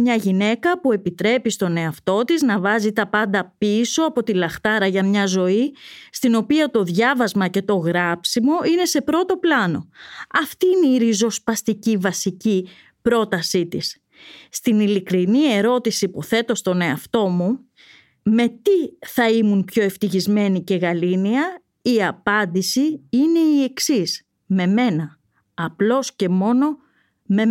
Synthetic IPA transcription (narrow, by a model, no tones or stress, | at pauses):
mɲɐʝine̞kɐpue̞pit̪ɾe̞pist̪o̞ne̞ɐft̪o̞t̪iznɐvɐzit̪ɐpɐnd̪ɐpiso̞ɐpo̞t̪ilɐxt̪ɐɾɐʝɐmɲɐzo̞ist̪ino̞piɐt̪o̞ðʝɐvɐzmɐce̞t̪o̞ɣɾɐpsimo̞ine̞se̞pɾo̞t̪o̞plɐno̞ɐft̪iːineiɾizo̞spɐst̪icivɐsici | pɾo̞t̪ɐsit̪isː | t̪inilikɾinie̞ɾo̞t̪isipuθe̞t̪o̞st̪o̞ne̞ɐft̪o̞mu | me̞t̪iθɐimunpço̞e̞ft̪içizme̞nice̞ɣɐliniɐ | iɐpɐnd̪isiine̞ie̞ksis | me̞me̞nɐː | plo̞sce̞mo̞no̞ | me